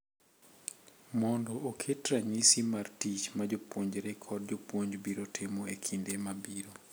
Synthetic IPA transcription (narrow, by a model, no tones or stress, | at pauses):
mɔndɔʔokʰetɾaɲisimartit͡ʃmad͡ʒopwoɲd͡ʒɾekʰɔd̚d͡ʒopwoɲd͡ʒbiɾotʰemoekʰindemabiɾo